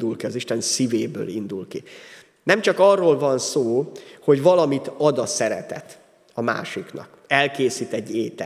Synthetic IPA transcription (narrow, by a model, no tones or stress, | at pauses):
d̪ulkiɒziʃt̪ɛnsiveːbø̰ːlind̪ulki | nɛmt͡ʃɒkɒrːoːlvɒnsoːho̞ɟvɒlɒmit̪ɒd̪ɒsɛɾɛ̰t̪ɛ̰t̪ | ɒma̰ːʃiknɒ̰k | ɛlkeːsiːt̪ɛɟːeːt̪ɛ